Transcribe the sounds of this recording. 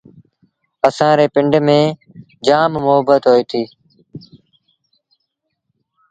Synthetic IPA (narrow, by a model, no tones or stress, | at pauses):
əsãːɾeːpɪɳɖmẽː | d͡ʒaːmmʊɦəbət̪ɦoːiːt̪ʰiː